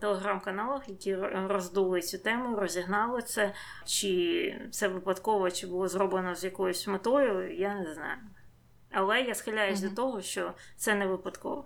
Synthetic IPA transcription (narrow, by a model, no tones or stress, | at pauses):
t̪elˠeɦɾamkɐnɑlˠɐxjɐkʲirɔzd̪ulˠɪt͡sʲut̪ɛmʊjirɔzʲiɦnɑlˠɪt̪sɛ | t͡ʃɪt̪sɛʋɪpɐt̪kɔʋɔt͡ʃɪbʊlˠɔzrɔblˠenɔzjɐkɔjʊsʲmet̪ɔjʊjanɛznɑ̰jʊ | ɐlˠɛjasxɪlʲːajʊzʲd̪ɔt̪ɔɦɔʃt͡ʃɔt̪sɛnɛʋɪpɐd̪kɔ̰ʋɔ